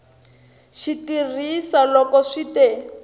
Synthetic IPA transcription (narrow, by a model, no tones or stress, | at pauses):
ʃitirisalɔkɔʂite